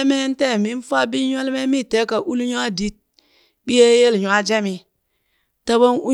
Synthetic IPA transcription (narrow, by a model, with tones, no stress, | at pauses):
me˦n˦te˦˨mi˦n˦fa˦bi˦ɲ˦a˦lme˦mi˦˨te˨˦ka˨ʔu˦lɲu˦a˦di˦t̚ | bi˦je˦je˦lɲu˨a˦d͡ʒe˦mi˨ | ta˦bo˦nu˦